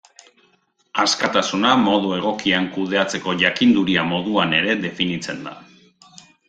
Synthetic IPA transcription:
askat̪asunamo̞ð̞ue̞ɣ̞o̞kiaŋkuð̞e̞at͡se̞ko̞ʝakind̪uɾiamo̞ð̞uane̞ɾe̞ðe̞finit͡se̞nd̪a̰

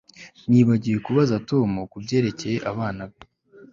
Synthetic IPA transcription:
niːβaɟijekuβazato̞mukubje̞ːɾe̞ce̞je̞ʔaβaːnaβe

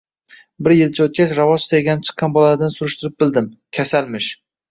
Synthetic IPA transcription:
bɪɾjɪlt͡ʃʰaot̪̚kʲat͡ʃɾavɒzɪst̪ajɡʲanɪt͡ʃʰɨ̥qʰːɑnbɒlaɾd̪ansʊɾʊʃt̪ɪɾɪp̚bɪld̪ɪmkʲʰasalˠmɪʃ

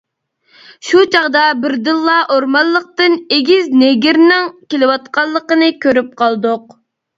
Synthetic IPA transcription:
ʃut͡ʃʰɑʁd̪ɑbɪɾd̪ɨlˠːɑʔoɾmɑlˠːəq̚t̪ɨneɡʲizneɡʲiɾnɪŋkʲelɪwɑt̪qʰɑlˠːəqənɨkʲøɾyp̚qʰɑlˠd̪ʊq

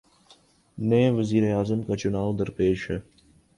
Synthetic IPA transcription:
nẽʋəziːɾeaːzəmkat͡ɕʊnaːwd̪ɐɾpeːʃe

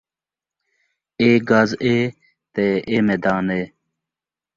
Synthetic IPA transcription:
eːɡazeː | t̪eːeːmeːd̪aːneː

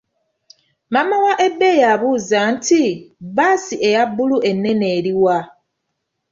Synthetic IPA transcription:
mamawaʔe̞bːe̞jaβuːzantʰibaːsie̞jabːuluʔe̞nːe̞neːɾiwa

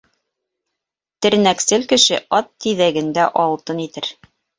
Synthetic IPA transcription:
t̪ɘ̆ɾnæksɘlkɘ̆ʃɘʔɒt̪ːiðæɡɘ̆nd̪æʔɒlˠt̪ɤnit̪ɘɾ

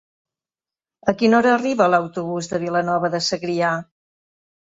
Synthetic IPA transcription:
əkinɔɾəːriβələwt̪uβuzðəβ̞ilənɔβəðəsəɣɾia

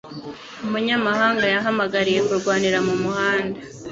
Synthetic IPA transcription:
umuɲamaɦaːŋɡajaɦamaɡaɾije̞kuɾɡwaːniɾamumuhaːnda

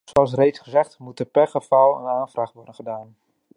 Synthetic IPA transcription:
zoɑlˠs̬rejtsχəzɛχtmutəpɛrχəv̥ɑlˠə̰naːnvraːχʋɔɹdənχədaːn

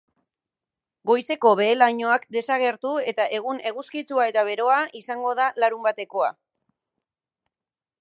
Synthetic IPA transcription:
ɡo̞jse̞ko̞βe̞ːlaɲo̞akd̪e̞saɣ̞e̞ɾt̪ue̞t̪aʔe̞ɣ̞une̞ɣuskit͡suae̞t̪aβ̞e̞ɾo̞aʔisaŋɡo̞ð̞alaɾumbat̪e̞ko̞a̰

